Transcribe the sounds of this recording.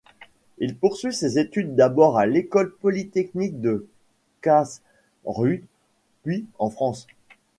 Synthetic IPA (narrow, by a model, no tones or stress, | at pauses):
ilpuʁsɥisezet̪yd̪ːabɔʁalekɔlpɔlit̪ɛknik̚d̪ə | kas | ʁy | pɥiɑ̃fχɑ̃s